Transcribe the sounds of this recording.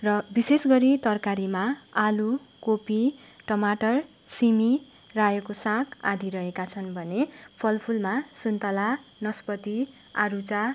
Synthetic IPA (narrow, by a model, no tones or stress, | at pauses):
rʌbisesɡʌɾit̪ʌrkaɾimaalukopi | ʈʌmaʈʌr | simi | rajokosãkʰa̰d̪ʱiɾʌɦekat͡sʰʌnbʱʌnepʰʌlpʰulmasunt̪ʌlanʌspʌt̪i | a̰ɾut͡sa